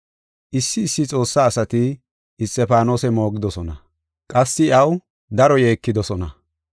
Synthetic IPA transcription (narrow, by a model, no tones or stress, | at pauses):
ʔɪsːɪːsːɪt͡sʼo̞ːsːaːsɐt̪ɪː | st̪ːɛpaːno̞ːsɛmo̞ːɡɪd̪ɔsɔnɐ | kʼɐsːɪɐw | d̪ɐɾɔjeːkːɪd̪ɔsɔnɐ